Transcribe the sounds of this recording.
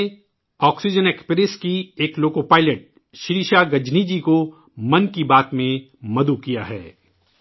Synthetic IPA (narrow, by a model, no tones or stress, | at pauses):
ɔːksid͡ʒənɛkspeɾɪskieːkloːkopaːɪləʈ̚ | ʃɪɾiːʃaɡɐd͡ʒnid͡ʒiko | mɐnkibaːt̪mẽ | mɐd̪ukijaɦɛ̰ː